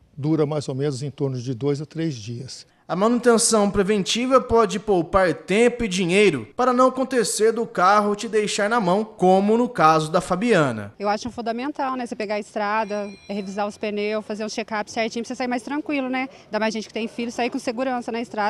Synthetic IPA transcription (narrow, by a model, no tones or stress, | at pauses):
d̪uɾɐmajzowmẽnʊzẽt̪oɾnʊzd͡ʒɪd̪ojzɐt̪ɾezd͡ʒiɐs | ɐmɐ̃nut̪ẽsɐ̃w̃pɾevẽnt͡ʃivɐpɔd͡ʒɪpowpaɾt̪ẽpʊɪd͡ʒiɲejɾʊpaɾɐnɐ̃w̃ɐkõnt̪eseɾd̪ʊkaɦʊt͡ʃɪd̪ejʃaɾnɐmɐ̃w̃kõmʊnʊkazʊd̪ɐfabiɐ̃nɐ̰ewaʃʊũfũd̪ɐmẽnt̪awnɛsepeɡaɐɪst̪ɾad̪ɐhevizaɾʊspenewfazeɾũʃekapɪ̥sɛɾt͡ʃĩɲʊpsesaiɾmajst̪ɾɐ̃kwilʊnɛ | d̪amajzʒẽnt͡ʃɪ̥kɪt̪ẽj̃filʎʊsaikõseɡuɾɐ̃sɐnɐɪst̪ɾa